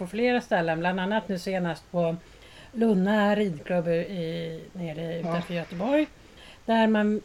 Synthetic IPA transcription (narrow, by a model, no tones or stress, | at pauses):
pɔfleːɾast̪ɛlːənbland̪anːat̪nʉ̟ːseːnast̪pʰɔ | lɵnːaɾiːd̪kʰlɵbːɪneːɾɪʉ̟ːt̪anfœɾjœt̪əbɔɾj | d̪̥æɾman